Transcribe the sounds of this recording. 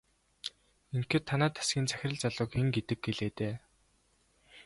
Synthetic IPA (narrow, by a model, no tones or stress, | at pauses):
eŋkĕːt̪ʰːanæːt̪ʰḁsɡʲiːnt͡sʰæxʲɪ̆rə̆ɮt͡saɮʊ̆ːkeŋɡet̪ɘ̆ɡ̚ɡeɮeːt̪eː